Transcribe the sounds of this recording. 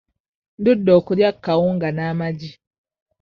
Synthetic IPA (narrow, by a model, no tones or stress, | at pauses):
n̩dudɔkuɾjakːawuŋɡanamad͡ʒi